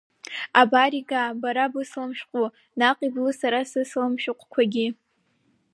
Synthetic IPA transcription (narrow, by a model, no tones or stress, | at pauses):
abaɾiɡabaɾabɨslamʃᶣqʷʼu | naqʼiblɨsaɾasɨslamʃᶣʊqʷʼkʷʰaɡʲi